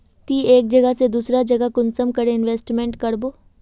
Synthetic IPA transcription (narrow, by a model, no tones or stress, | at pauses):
t̪iːeːk̚d͡ʒɐɡəɦsed̪uːsɾad͡ʒɐɡəkʊnsəmkɐɾeɪnʋeːsʈmẽːɳʈkɐɾboː